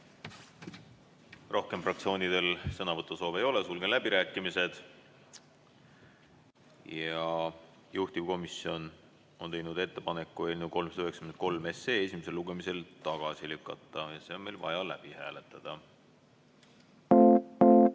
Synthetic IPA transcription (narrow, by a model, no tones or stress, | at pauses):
rʔo̞hke̞mfrɑkt̪sio̞ːnid̪̥e̞lsɤnɑvɤt̪ːˑuso̞ːve̞jo̞le̞sulɡelæb̥iɾæːkˑːimise̞d̪̥ | jɑ | juht̪ivko̞misio̞n | o̞nt̪e̞jnud̪e̞t̪ːe̞pɑne̞kˑːue̞ːlʲnuko̞lmsɑd̪yheksɑ̥kymen̚ko̞lme̞seːesʲimese̞lːuɡ̥e̞mise̞lt̪ɑɡ̥ɑsilykːˑɑt̪ˑːɑjɑse̞ome̞lvɑ̰jɑlæ̰b̥ihæ̰ːle̞t̪ˑːɑd̪̥ɑ